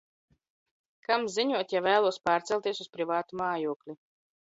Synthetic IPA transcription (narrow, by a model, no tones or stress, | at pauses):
kamziɲuɔt̪javæːlˠuɔspaːɾt̪sɛlˠt̪ʲiɛsuspɾivaːt̪umaːjuɔklʲi